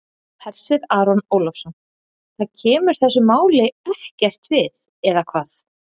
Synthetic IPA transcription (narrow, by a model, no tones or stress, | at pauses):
pʰɛɾ̥sɪɾaːɾɔnoːwlɔfsɔn | θaðcʰɛːmʏɾ̥θɛsːʏmaːwleɣɛhcɛr̥t̪vɪð | ɛðakʰvaːθ